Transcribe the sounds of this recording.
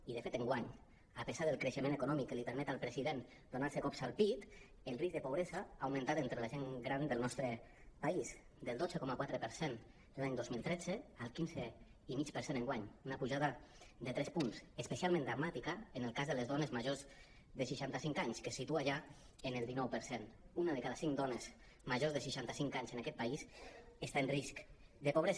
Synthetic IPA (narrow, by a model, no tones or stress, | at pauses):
iðəfet̪eŋɡwaɲ | apəsaðəlˠkɾeʃəmẽnekunɔmikːəlipeɾmɛt̪alˠpɾeziðen | d̪onaɾsekɔpsalˠpit̪ | elriz̚d̪əpoβɾezaaːwmẽnt̪at̪ent̪ɾelaʒeŋɡɾand̪əlˠnɔst̪ɾə | pais | d̪əlˠd̪od͡zəkɔmakwat̪ɾəpəɾsen | laɲd̪ozmilˠt̪ɾɛd͡zealˠkinzeimit͡ʃpəɾsenẽŋɡwaɲunəpuʒaðəd̪ət̪ɾɛspunsəspəsialˠmẽnd̪ɾamat̪ikəːnəlˠkazðələzðɔnezməʒoz | ðəʃiʃant̪əsiŋkaɲskesit̪uaʒa | ənəlˠd̪inɔwpəɾsenunaðəkaðasiŋd̪ɔnez̥ | məʒozðəʃiʃant̪əsiŋkaɲzənakɛt̪̚paisəst̪aenriskd̪əpoβɾez